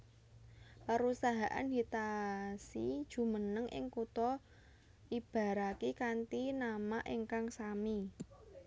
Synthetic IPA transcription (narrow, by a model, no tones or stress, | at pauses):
pəɾusaɦaʔa̰nd̪it̪asid̥ʒ̥ṳmənəŋʔɪ̰ŋkut̪ɔ | ʔib̥a̤ɾakikant̪inamaʔeŋkaŋsami